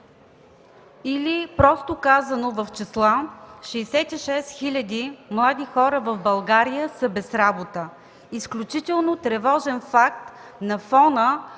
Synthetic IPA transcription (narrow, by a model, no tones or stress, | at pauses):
ilipɾɔst̪okazənovɐft͡ʃɛslˠaʃɛːsɛt̪iʃɛsxilʲɐd̪imlˠad̪ixɔɾəvɐvbɐlˠɡaɾijəsəbɛsɾabot̪ə | isklʲut͡ʃit̪ɛlˠnot̪ɾɛvɔʒɛnfak̚t̪ | nɐfɔnə